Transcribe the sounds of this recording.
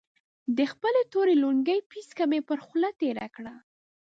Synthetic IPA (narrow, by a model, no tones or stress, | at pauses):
d̪əxpəlet̪oɾeluɳɡəjpiskamepəɾxlat̪eɾa̰kɽa